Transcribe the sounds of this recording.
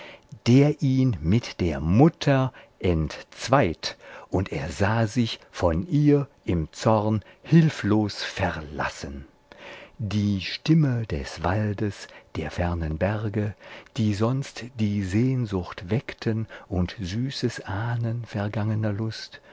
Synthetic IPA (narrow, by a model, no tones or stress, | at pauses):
d̥eːɐʔiːnmɪtd̥eːɐmʊtʰɐʔɛntt͡sv̥aɪtʔʊnteːɐzaːzɪçfɔnʔiːɐʔɪmt͡sɔʁnhɪlfloːsfɛʁla̰sən | diːʃtɪməd̥ɛ̰sv̥aldəsd̥eːɐfɛɐnənbɛʁɡəd̥iːzɔnstd̥iːzeːnzʊxtv̥ɛktʰənʔʊntz̥yːsəsʔaːnənfɛɐɡaŋənɐlʊst